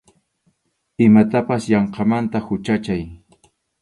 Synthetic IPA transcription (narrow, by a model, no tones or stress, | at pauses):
ɪmat̪apasjɑɴqɑmant̪ahʊt͡ʃat͡ʃaj